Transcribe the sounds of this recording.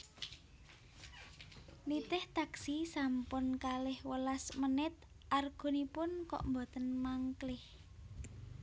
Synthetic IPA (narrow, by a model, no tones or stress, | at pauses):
lit̪ɪht̪aksisampʊnkalɪhwəlasmənɪt̪̚ | ʔarɡ̥o̤nipʊnkɔ̰ʔmbɔt̪ənmaŋklɪh